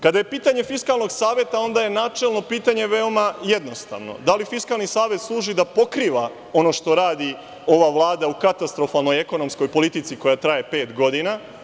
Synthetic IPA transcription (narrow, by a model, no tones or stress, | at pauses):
kad̪aje̞piːt̪aɲe̞fiskalˠno̞ɡsaːʋje̞t̪ao̞nd̪aje̞naːt͡ʃe̞lˠno̞piːt̪aɲe̞ʋe̞o̞majed̪no̞st̪a̰ʋno̞̰d̪alifiskalˠnisaːʋje̞t̪slˠuːʒid̪apo̞kɾiːʋa | o̞no̞ʃt̪o̞ɾaːd̪i | o̞ʋaʋlˠaːd̪aukat̪ast̪ɾo̞falˠno̞je̞ko̞no̞msko̞jpo̞lit̪it̪siko̞jat̪ɾaje̞pe̞ːt̪ɡo̞d̪ina